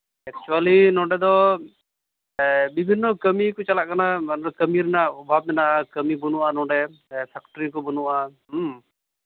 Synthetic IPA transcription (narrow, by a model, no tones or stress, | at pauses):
ɛk̚t͡ʃualinɔ̃ɖɛd̪ɔ | bibʱinːɔkəmikɔt͡ʃalaʔkanaanɛkəmiɾɛnaɔbʱab̚nɛnaʔakəmibunuʔanɔ̃ɖɛsʰɛkʈɾikɔbənuʔaɦ